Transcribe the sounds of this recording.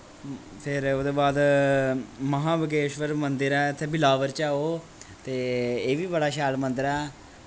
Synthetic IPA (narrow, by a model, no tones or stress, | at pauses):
pʰɪɾoːd̪eːbaːd̪ | məɦãːbəɡeːʃʋəɾmənd̪ɪɾɛːt̪ʰːeːbɪlaːʋəɾt͡ʃaːoː | t̪eːeːʋiːbəɽaːʃaːlmə̃nd̪ɪɾɛː